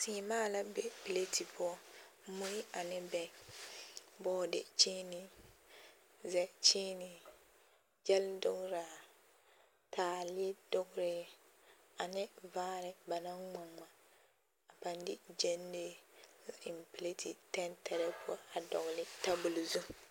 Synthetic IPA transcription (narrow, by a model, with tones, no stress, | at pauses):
siː˨˦˨maː˦la˦bɛ˦pi˨le˦ti˨pʊ˦ɔ˦mu˦i˦a˨nɪ˦bɛ˨˦ | bɔ˦˨dɪ̰˨t͡ʃiː˦nɪ˨ | zɛ˨t͡ʃiː˦nɪ˨ | d͡ʒɛ˦ldʊ˦ɡɾa˨ | tʰaː˨li˦dʊ˦ɡʊ˦ɾɪ˦ | a˨nɪ˦vaː˦ɾɪ˨ba˨na˦ŋ͡ma˨ŋma˨ | a˨pa˨n˦dɪ˦d͡ʒe˦nːe˦˨ | ɪ˨mpi˨le˦ti˨tɛ˦ntʰɛ˨ɾɛ˦pʊ˦ɔ˦a˨dɔ̰˨ɣlɪ˨ta˦bʊ˨lzu˦